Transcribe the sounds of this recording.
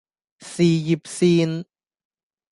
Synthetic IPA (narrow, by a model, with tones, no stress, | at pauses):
siː˨˩ji˨˩p̚siː˧n